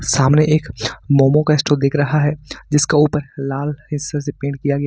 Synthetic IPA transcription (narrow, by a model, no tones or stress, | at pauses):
saːmneʔeːkmɔːmõkaɪsʈoːd̪eːkʰɾɐɦaɦɛd͡ʒɪskauːpəɾlaːlɦɪsasepẽːɳʈkijaɡɛjaː